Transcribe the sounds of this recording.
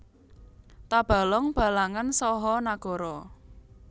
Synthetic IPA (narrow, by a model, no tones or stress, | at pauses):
t̪ab̥a̤lɔŋb̥a̤laŋansɔɦɔnaɡ̥ɔ̤ɾɔ